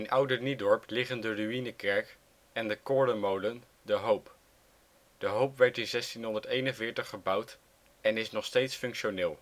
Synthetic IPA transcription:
ɪnʔʌwdənidɔɹplɪχəndəryinəkɛɹk | ɛndəkɔɹdəmowlən | dəɦowp | d̥əɦowpʋɛɹtɪnzɛstinɦɔndəɹtejnənvɪːɹtəχəbʌwt | ɛnɪsnɔχstejtsfɵŋkʃonɪːlˠ

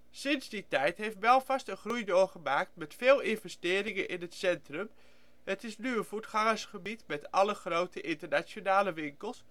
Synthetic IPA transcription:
sɪnzditɛjtɦejftbɛlˠvɑstənχrujdoːχəmaːk̚tmɛtfɪːlˠɪnvɛstɪːɾɪŋənʔɪnɦətsɛntrəm | hətɪsnyənv̥utχɑŋəsχəbitmɛtɑləχrowtəʔɪntəɹnat͡ʃjonaːləʋɪŋkəlˠs

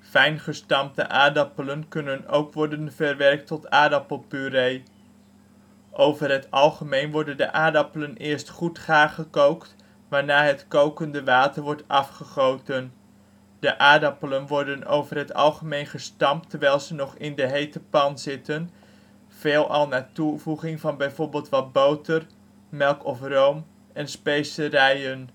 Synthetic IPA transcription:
fɛjnχəstɑmtə̰ʔaːdɑpələnkɵnənowkʋɔɹdənvəɹʋɛrk̚tɔtaːdɑpəlˠpyɾej | ʔowvəɹɦətɑlˠχəmejnʋɔɹdəndə̰ʔaːdɑpələnɪːɹstχutχaːχəkowkt | ʋaːɹnaːɦətkowkəndəʋaːtəɹʋɔɹtɑfχəχowtən | d̥əʔaːdɑpələnʋɔɹdəno̰wvərɦətɑ̰lˠχəmejnχəstɑmtːəɹʋɛjlˠzənɔχɪndəɦejtəpɑnzɪtən | v̥eːlˠʔɑ̰lˠnaːtuvuχɪŋvɑnbɛjvoːɹbɪːlˠtʋɑd̚bowtər | mɛlˠkɔfrowm | ɛnspejsəɾɛjən

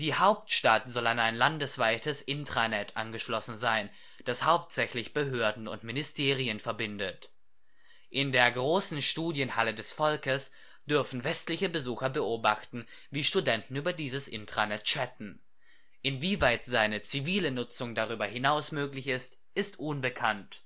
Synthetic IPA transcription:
d̥iːhaʊp̚tʃtatz̥ɔlanaɪnlandəsv̥aɪtəsʔɪntʁ̥anɛtʔa̰nɡəʃlɔsn̩zaɪn | d̥ashaʊptz̥ɛçlɪçb̥əɦøːɐdn̩ʊ̰ntmɪnɪstʰeːʁ̞iənfɛɐbɪndət | ʔɪndeːɐɡʁoːsn̩ʃtuːdjənhalədɛsfɔlkəs | d̥ʏɐfn̩vɛstlɪçəbəzuːxɐbəʔoːbaχtn̩ | viːʃtudɛntn̩yːbɐdiːzəsʔɪ̰ntʁ̥anɛtʃɛtn̩ | ʔɪnviːvaɪtz̥aɪnət͡siviːlənʊt͡sʊŋdaʁ̞yːbɐhɪnaʊsmøːklɪçɪst | ʔɪstʔʊnbəkʰant

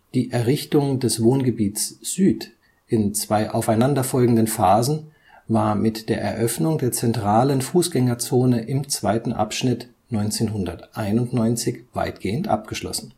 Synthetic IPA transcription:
d̥iːʔɛɐʁɪçtʊŋdɛsv̥oːnɡəbiːtsz̥yːt | ʔɪnt͡sv̥aɪʔa̰ʊfaɪnandɐfɔlɡŋ̩dənfaːzn̩ | vaːɐmɪtd̥eːɐʔɛ̰ɐʔœfnʊŋdeːɐt͡sɛntʁ̥aːlənfuːsɡ̥ɛŋɐt͡soːnəʔɪmt͡sv̥aɪtn̩ʔa̰pʃnɪt | nɔʏnt͡seːnɦʊndɐtʔaɪnʊntnɔʏnt͡sɪçv̥a̰ɪtɡ̥eːəntʔa̰p̚ɡ̥əʃlɔ̰sn̩

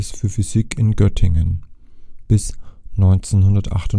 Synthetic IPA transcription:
sfyːɐfyz̥ɪkʰɪnɡœtʰɪŋən | b̥ɪsnɔʏnt͡senhʊndɐtʔa̰χtʊ

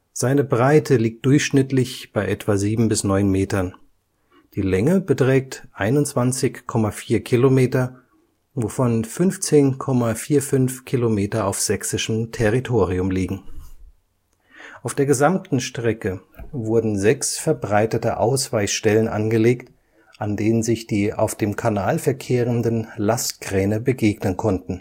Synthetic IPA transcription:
z̥aɪnəbʁaɪtʰəliːk̚t̚d̥ʊɐçʃnɪtlɪçb̥aɪʔɛtv̥aziːbm̩bɪsnɔʏnmeːtɐn | d̥iːlɛŋəbətʁ̥ɛːk̚tʔaɪnʊnt͡sv̥ant͡sɪçkʰːɔmafiːɐkʰilomeːtɐ | vofɔnfʏnft͡seːnkʰɔmafiːɐfʏnfkʰilomeːtɐaʊfz̥ɛksɪʃəm̩tʰɛʁitʰoːʁiʊmliːɡŋ̩ | ʔaʊfd̥eːɐɡəzamtn̩ʃtʁ̥ɛkəvʊɐdn̩zɛksfɛɐbʁaɪtətəʔa̰ʊsv̥aɪsʃtɛlənʔa̰nɡəleːkt | ʔandeːnənzɪçd̥iːʔa̰ʊfd̥eːmkʰanaːlfɛɐkʰeːʁəndənlast̚ɡ̥ʁ̥ɛːnəbəɡeːɡnənkʰɔntn̩

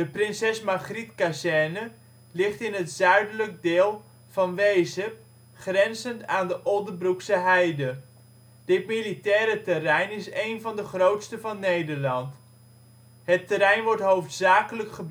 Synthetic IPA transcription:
dəprɪnsɛsmaχritkasɛnə | lɪχtɪnɦətz̥œɥdələk̚dɪːlˠ | v̥ɑnʋejzə | χrɛnzəntaːndəʔɔndərbruksəɦɛjdə | d̥ɪt̚militɛːɾətərɛjnɪsejnvɑndəχrowtstəvɑnːejdəɹlɑnt | hətəɾɛjnʋɔɹtɦowftsaːkələkχəb

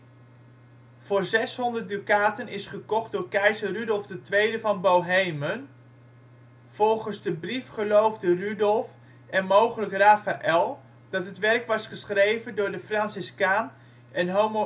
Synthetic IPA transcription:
v̥ʊːɹzɛsɦɔndərt̚dykaːtənɪsχəkɔχt̚dʊːɹkɛjzərydɔlˠvdətʋejdəvɑnbowɦejmən | v̥ɔlˠχənzdəbrifχəlowvdərydɔlˠf | ʔɛnmowχələkraːfaʔɛlˠ | d̥ɑtɦətʋɛrkʋɑsχəsχrejvəndʊːɹdəfrɑnsɪskaːn | ʔɛnɦom

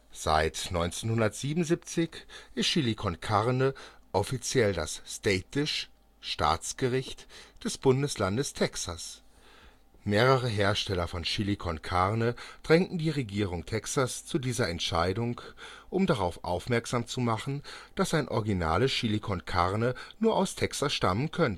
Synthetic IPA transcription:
z̥a̰ɪtnɔʏnt͡senhʊndɐtz̥iːbnzip̚t͡sɪçʔɪstʃilikʰɔnkʰaʁnəʔɔfit͡sjɛldasstɛtɪʃ | ʃta̰ːt͡sɡ̥əʁɪçtd̥ɛsb̥ʊndəslandəstʰɛksas | meːʁəʁ̞əɦeːɐʃtɛlɐfɔnʃilikʰɔnkʰaʁnəd̥ʁɛŋtn̩diːʁeɡiːʁʊŋtʰɛksast͡sudiːzɐɛntʃaɪdʊŋk | ʔʊmdaʁ̞aʊfʔa̰ʊfmɛɐkz̥aːmt͡sumaχn̩d̥asaɪnʔɔʁɡina̰ːləʃilikʰɔnkʰaʁnənuːɐʔaʊstʰɛksasʃtamənkʰœnt

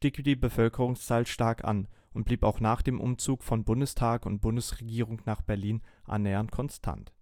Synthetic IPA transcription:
ʃtiːkd̥iːbəfœlkəʁʊŋst͡saːlʃtaɐkʔa̰nʔʊnt̚b̥liːpaʊxnaːχd̥eːmʔʊ̰mt͡suːkfɔnbʊndəstʰaːkʊnt̚b̥ʊndəsʁeɡiːʁ̞ʊŋnaːχb̥ɛɐliːnʔa̰nːɛːɐnt̚kʰɔnstʰa̰nt

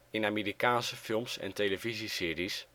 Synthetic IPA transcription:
ɪnamiːɾikaːnsəfɪlˠmsɛ̰ntejləvizisɪːɾis

